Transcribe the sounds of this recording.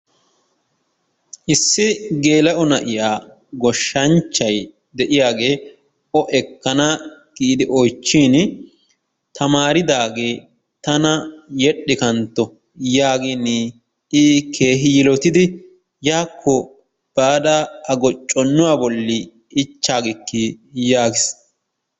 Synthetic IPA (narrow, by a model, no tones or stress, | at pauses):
ʔɪsːɪɡe̞ːlɐʔɔnɐʔɪjaː | ɡɔʃːɐnt͡ʃːɐj | d̪ɛʔɪjaːɡe̞ː | ɔʔɛkːɐnaɡ̥iːd̪ɪʔɔjt͡ʃːiːn | t̪ɐmaːɾɪd̪aːɡe̞ː | t̪ɐnɐjɛɗːɪkɐnt̪ːɔ | jaːɡɪnɪ | ɪːkʰe̞ːɦɪjɪlɔt̪ɪd̪ɪ | jaːkʰːɔ | b̥aːd̪aɐɡɔt͡ʃʼːɔnːʊwaːbɔlːɪː | t͡ʃːaːɡɪkːɪjaːɡɪs